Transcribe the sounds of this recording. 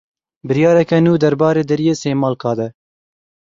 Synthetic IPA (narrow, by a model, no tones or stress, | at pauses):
bɨɾjɑːɾɛkɛnuːd̪ɐɾbɑːɾeːd̪ɛɾijeːseːmɑːlkʰɑːd̪ɛ